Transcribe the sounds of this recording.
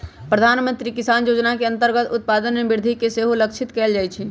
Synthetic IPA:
pɾəd̪ʱaːnmə̃nt̪ɾikɪsaːnjoːd͡ʒnakeə̃nt̪əɾɡət̪ʊt̪̚paːd̪ənmebɪɾd̪ʱikeseɦoləkt͡ʃʰɪt̪kɛːld͡ʒaːjt͡ʃʰɛ

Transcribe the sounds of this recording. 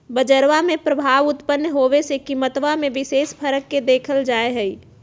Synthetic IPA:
bəd͡ʒəɾʋamẽpɾəbʱaːʋʊt̪pənːɦoːʋesekiːmət̪ʋamẽʋɪseːspʰəɾəkːed̪eːkʰəld͡ʒaːeɦɛi

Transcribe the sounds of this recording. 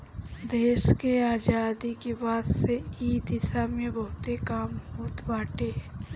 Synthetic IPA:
d̪eːʃkeaːd͡ʒaːd̪ikebaːd̪seiːd̪ɪsamẽbɐɦʊt̪ekaːmɦoːt̪baːʈeː

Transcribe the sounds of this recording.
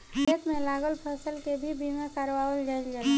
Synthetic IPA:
et̪mẽlaːɡəlpʰəsəlkebʱibimekaɾʋawəld͡ʒəɪld͡ʒa

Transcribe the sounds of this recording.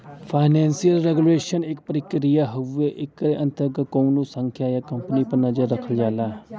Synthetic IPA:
fʰaːɪnɛ̃ːnsijəlɾeɡuleːʃənɪk̚pəɾɪkɾijaɦʊeʔɪkɾeʔɐ̃nt̪əɾɡət̪̚koũnũsə̃ŋkʰjajakɐmpnipɐɾnɐzəɾːɐkʰəld͡ʒaːlaː

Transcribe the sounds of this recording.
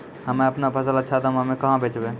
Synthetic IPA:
həmẽəpnabʱəsələt͡ʃʰat̪mɦəmẽkəɦãbʱet͡ʃbe

